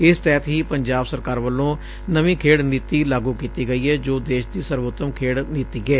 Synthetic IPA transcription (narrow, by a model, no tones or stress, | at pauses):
ɪst̪ɛːt̪ɦiːpəɲd͡ʒaːbsəɾkaːɾʋəlːõː | nəʋĩːkʰeːɽniːt̪iːlaːɡuːkiːt̪iːɡəiːɦɛːd͡ʒoːd̪eːʃd̪iːsəɾʋʊt̪ːəmkʰeːɽniːt̪iːɡɛː